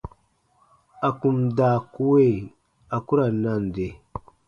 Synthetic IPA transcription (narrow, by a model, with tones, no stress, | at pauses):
a˨ku˨mda˨ku˦we˦˨ | a˨ku˦ɾa˨na˦˨n˨de˨